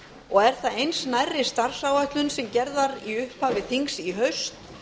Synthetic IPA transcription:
ɔɣɛɾ̥θaðejnsnajrːɪst̪aɾ̥sawajht̪lʏnsɛmcɛɾðaɾiʏhphaːvɪθiŋksiɦœɥst̪

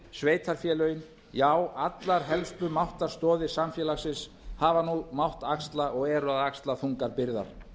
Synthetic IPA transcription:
sveːjt̪ʰaɾ̥fjɛːlœɥjɪn | jaːwat̪laɾ̥ɦɛlspʏmawht̪aɾst̪ɔːðɪsamfjɛːlaxsɪs | haːvanumawht̪akst̪laʔɔɣɛɾʏaðakst̪laθuŋkaɾpɪɾða̰ɾ̥

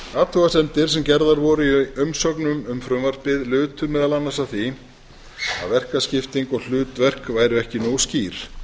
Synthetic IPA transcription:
aːt̪ʰɔɣasɛmt̪ɪɾ̥sɛmcɛɾðaɾvɔɾʏiʏmsɔknʏmʏmfɾʏmvar̥pɪðlʏːt̪ʏɾmɛðalanːasaθi | a̰ðvɛr̥kascɪft̪iŋkɔɣl̥ʏːt̪vɛr̥kvaːjɾʏɛhcɪnoːwsciːɾ̥

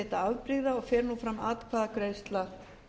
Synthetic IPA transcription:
ɛːt̪aavpɾɪɣðaɔɣfɛːɾnufɾamːaːt̪kʰvaːðakɾejst̪la

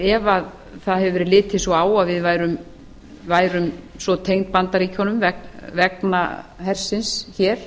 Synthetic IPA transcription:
ɛvað | θaðhɛvʏvɛɾlɪːt̪ʰɪsɔaːwaðvɪðvaːjɾʏm | vaːjɾʏmsɔt̪ʰejŋnt̪̚pant̪aɾichɔnʏmvɛkvɛkna̰ɦɛr̥sɪnsçɛːɾ̥

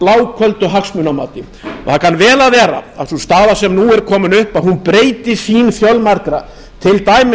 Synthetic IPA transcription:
laːwkʰœlt̪ʏɦaksmʏnamaːt̪ɪ | ɔ̰θakʰanːvɛːlaðvɛːɾa̰aðsɔst̪aːðasɛmnuɛɾkʰɔːmɪnʏhpaðhunpɾeːjt̪ɪsiːnfjœlmaɾkɾa | t̪ʰɪlt̪aːjmɪ

